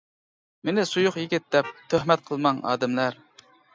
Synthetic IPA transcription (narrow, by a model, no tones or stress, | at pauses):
menɪsujʊχjikʲɪt̪̚d̪ɛp̚t̪ʰøhmɛt̪̚qʰəlˠmɑŋɑ̰ːd̪ɪmlæɾ